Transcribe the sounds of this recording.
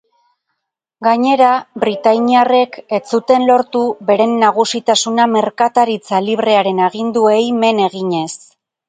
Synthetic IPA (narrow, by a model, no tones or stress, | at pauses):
ɡaɲe̞ɾaβɾit̪ajɲiare̞ke̞t͡sut̪e̞nlo̞ɾt̪uβe̞ɾe̞nːaɣ̞usit̪asuname̞ɾkat̪aɾit͡saliβre̞aɾe̞naɣind̪ue̞jme̞ne̞ɣiɲe̞s